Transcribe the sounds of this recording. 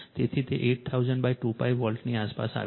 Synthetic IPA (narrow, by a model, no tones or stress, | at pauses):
t̪et̪ʰit̪eʔeʈ̚t̪ʰauzəɳɖbajʈupajʋʋəlʈniaspa̰sa̰